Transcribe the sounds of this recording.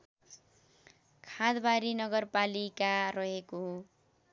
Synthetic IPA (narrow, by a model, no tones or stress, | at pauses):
kʰad̪baɾinʌɡʌrpalikarʌɦeko